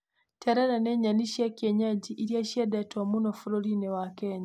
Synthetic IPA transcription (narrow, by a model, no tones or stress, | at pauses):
tʰeɾaɾaneɲaniʃjekeɲaɟiʔːɾjaʃiedetwamunofuɾolinewakeːɲa